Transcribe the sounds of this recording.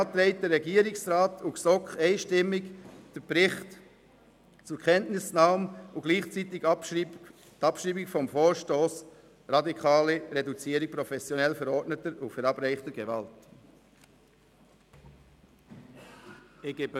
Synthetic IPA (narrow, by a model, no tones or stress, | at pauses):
t̪ɾɛɪt̚d̥əɾːɛɡiːəɾɪksɾɑːtʰʊksɔkχɛɪʃtɪmːɪkd̥əbɾɪχt | t͡sʊɾkʰɛntnɪsnɑːmʊɡ̥liːχt͡siːt̪ɪɡ | tɑpʃʁiːbɪɡfɔmfoːɾʃtoːs | ɾɑdikʰɑːliɾedut͡siːəɾɪk̚pɾɔfɛsjɔnɛlfɛɾɔɾtnətəɾʊfɛɾɑb̥ɾɛɪχtəɡ̥evɑ̰lt | eɡeb